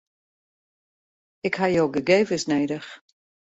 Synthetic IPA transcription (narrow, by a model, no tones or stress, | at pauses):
ɪkhɦajowɡəɡeːvəsneːdəx